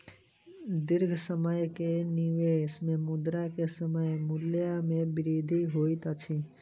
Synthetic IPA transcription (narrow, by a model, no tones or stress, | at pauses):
d̪ɪɾɡʱsəməjkenɪʋeːsmẽmʊd̪ɾakesəməjmʊljamẽbɪɾiːd̪ʱiɦoːit̪at͡ʃʰi